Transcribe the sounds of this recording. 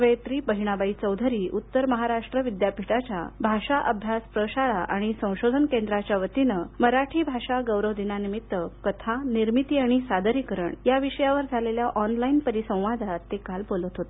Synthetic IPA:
ʋəjt̪ɾipəɦiɽ̃abait͡səwd̪ʱəɾiːʔut̪ːəɾməɦaɾaʂʈɾəʋid̪japiʈat͡ɕa̰bʱaʂaʔəbʱjaspɾəɕaɭaʔa̰ɽ̃isə̃w̃ɕod̪ʱənkend̪ɾat͡ɕjaʋət̪inəməɾaʈʰiːbʱaɕaɡəwɾəʋd̪inanimit̪ːəkət̪ʰaniɾmit̪iːaɽ̃isad̪əɾikəɾə̰ɳjaʋiɕəjaʋəɾd͡zʱaleljaʔɔnlainpəɾisə̃w̃ʋad̪ʱat̪ːekalbolət̪ɦot̪

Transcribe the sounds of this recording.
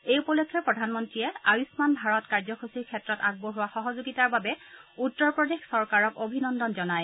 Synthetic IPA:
ejupɔlokʰːjɔpɹɔdʱanmɔntɹijɛaɹusmanbʱaɹɔtkaɹzɔxosiɹkʰɛtɹɔtaɡ̚bɔɦʊwaxɔɦɔzuɡitaɹbabɛutːɔɹpɹɔdexsɔɹkaɹɔkobʱinɔndɔnzɔnaj

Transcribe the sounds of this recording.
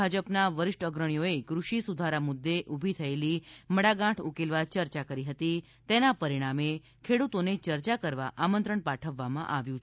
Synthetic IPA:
ad͡ʒəpnaʋəɾɪʃʈəɡɾəɳ̃ijoekɾuʃisud̪ʱaɾamud̪ːeʔubʱit̪ʰəeliməɽaɡãʈʰukelʋat͡ʃəɾt͡ʃakəɾiɦət̪i | t̪enapəɾiɽ̃ame | kʰeɽut̪onet͡ʃəɾt͡ʃakəɾʋa̰ʔamənt̪ɾəɳpaʈʰəʋːamã̰ʔaʋjũ

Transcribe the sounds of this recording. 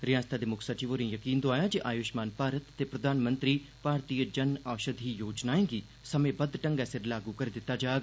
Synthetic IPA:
ɾɪjaːst̪ʰad̪emʊkʰsɐt͡ʃiʋoɾĩjɐkiːnd̪oaːjad͡ʒiʔaːjoːʃmaːnpaːɾət̪ːepɾɐd̪ʱaːnmə̃nt̪ɾipaːɾt̪iːəd͡ʒɐnaːʃəd̪ʱijoːd͡ʒnaːẽːŋɡi | sɐmẽbɐd̪ʈɐ̃ŋɡɛsɪɾlaːɡukɐɾed̪ɪt̪ːad͡ʒaːɡ

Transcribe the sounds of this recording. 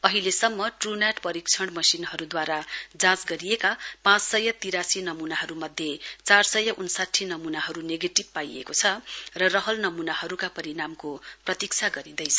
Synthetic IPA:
ʌɦilesʌmːʌʈrunaʈpʌɾik̚t͡sʰʌɽmʌsinɦʌɾud̪waɾad͡zãt͡sɡʌɾijekapãt͡ssʌjʌt̪iɾasinʌmunaɦʌɾumʌd̪ʱjet͡sarsʌjʌʔunsaʈʰːinʌmunaɦʌɾuneɡeʈib̚pajḛkot͡sʰʌrʌrʌɦʌlnʌmunahʌɾukapʌɾinamkoprʌt̪ik̚t͡sʰaɡʌɾid̪ʌjt͡sʰʌ

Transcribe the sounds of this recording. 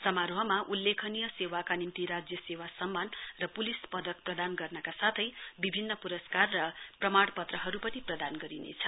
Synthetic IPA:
sʌmaɾoɦʌmaʔulːekʰʌnijʌsewakanimt̪iɾad͡zjʌsewasʌmːanrʌpulispʌd̪ʌk̚prʌd̪anɡʌrnʌkasat̪ʰʌjbibʱinːʌpuɾʌskarːʌprʌmaɽpʌt̪rʌɦʌɾupʌniprʌd̪anɡʌɾinḛt͡sʰʌ̥

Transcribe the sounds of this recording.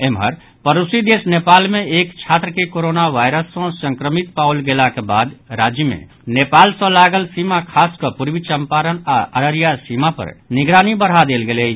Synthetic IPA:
emɦə̰ɾ | pəɾusid̪eːsneːpaːlmẽːkt͡ʃʰaːt̪ɾəkekoɾoːnaʋaːɪɾəsːɔ̃sə̃ŋkɾəmit̪̚paʊlɡelakebaːd̪ɾaːd͡ʒjəmḛ̃ | neːpaːlsə̃laːɡəlsiːmakʰaːskəpuɾwit͡ʃəmpaːɾənaəɾəɾijasimapə̰ɾnɪɡɾaːnibəɽ̤ɦad̪eːlɡele

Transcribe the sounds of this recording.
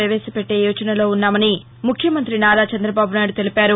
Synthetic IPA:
ɾɐʋɛːsɐpe̞ʈːe̞ːjuːt͡ʃɐnɐlo̞ːunːaːmɐni | mukʰjɐmɐnt̪ɾinaːd̪aːt͡ʃɐnd̪ɾɐbaːbunaːjɽut̪e̞lipaːɾu

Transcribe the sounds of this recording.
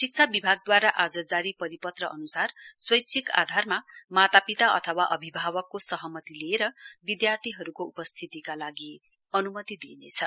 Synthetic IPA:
sik̚t͡sʰabibʱaɡ̚d̪waɾaʔad͡zʌd͡zaɾipʌɾipʌt̪rʌʔʌnusarswʌjt͡sʰika̰d̪ʱarmamat̪apit̪aʔʌ̰t̪ʰʌwaʔʌbʱibʱabʌkːosʌɦʌmʌt̪ileːɾʌbid̪jart̪ʰiɦʌɾukoupʌst̪ʰit̪ikalaɡi | ʌnumʌt̪id̪inḛt͡sʰʌ

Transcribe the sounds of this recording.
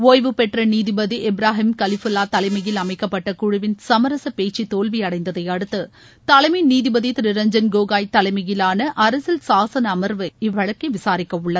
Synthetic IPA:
oːjʋɯpɛʈrɐniːðɪbɐðiʔɛbɾaːɦɪmkɐlɪfʊlːaːt̪ɐlɐɪmɐɣɪlɐmɐɪkːɐpːɐʈːɐkʊɻʊʋɪnsɐmɐɾɐsɐpeːt͡ʃːit̪oːlʋiɐɽɐɪnd̪ɐðɐɪjɐɽɯt̪ːɯ | t̪ɐlɐɪmɐɪniːðɪbɐðit̪ɪɾɪɾɐɲd͡ʒɐnɡoːɣaːjt̪ɐlɐɪmɐɣɪlaːnɐʔɐɾɐsɪlsaːsɐnɐmɐɾʋɯɪʋːɐɻɐkːɐɪʋɪsaːɾɪkːɐʊɭːɐð

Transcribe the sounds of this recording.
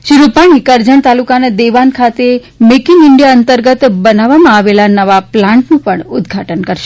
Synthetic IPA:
ʃiɾupaɽ̃ikəɾd͡ʒəɳ̃t̪alukanad̪eʋankʰat̪e | mekiŋɪɳɖjaənt̪əɾɡət̪bənaʋamãaʋelanəʋaplãɳʈnũpəɳʊd̪ɡʱaʈənkəɾʃe

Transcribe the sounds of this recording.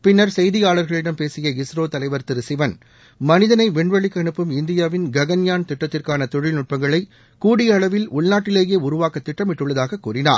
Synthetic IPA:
pɪnːɐɾsɛjðɪjaːɭɐɾɣɐɭɪɽɐmpeːsɪjɐɪsɾoːt̪ɐlɐɪʋɐɾt̪ɪɾɯsɪʋɐn | mɐnɪðɐnɐɪʋɛɳʋɐɭɪkːɐɳɯpːɯmɪnd̪ɪjaːʋɪnɡɐɣɐnjaːnt̪ɪʈːɐt̪ːɪrkaːnɐt̪ɔɻɪlnʊʈ̚pɐŋɡɐɭɐɪ | kuːɽɪjɐɭɐʋɪlʊɭnaːʈːɪleːjeːʊɾʊʋaːkɐt̪ːɪʈːɐmɪʈːɯɭːɐðaːɣɐkːuːrɪna̰ːɾ

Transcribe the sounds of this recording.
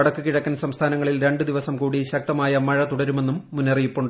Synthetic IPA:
ɐɽɐkːɨkiɻɐkːɐnsɐmst̪ʰaːnɐŋːɐɭilɾe̞ɳɖɨd̪iʋɐsɐmkuːɽiɕɐk̚t̪ɐmaːjɐmɐɻɐt̪uɽɐɾume̞nːumːunːɐrijipːuɳɖɨ

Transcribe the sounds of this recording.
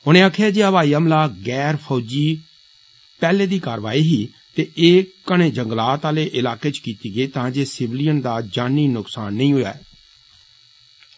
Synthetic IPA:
ʊñẽːaːkʰaːd͡ʒeːəʋaːiːəmlaːɡɛːɾpʰɔːd͡ʒiː | pɛːleːd̪iːkaːɾʋaːiːɦiː | t̪eːʔeːkəɽ̃eːd͡ʒəŋɡlaːt̪aːleːʔɪlaːkeːt͡ʃkiːt̪iːɡəiːt̪ãːd͡ʒeːsɪʋɪlijənd̪aːd͡ʒaːnːiːnʊksaːnːəĩːɦʊja̰ːɛː

